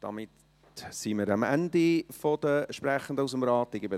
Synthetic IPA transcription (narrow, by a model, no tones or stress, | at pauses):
d̥ɑ̰mɪt | siməɾɑmæ̰ndifod̥əʃpræχən̩dəusəmɾɑːtːɪɡəbə